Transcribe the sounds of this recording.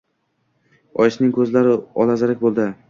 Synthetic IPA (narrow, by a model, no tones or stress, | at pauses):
ɒjɪʃnɪŋkʰɵzlaɾɪɒlazɪɾak̚ʲbolˠd̪ɪ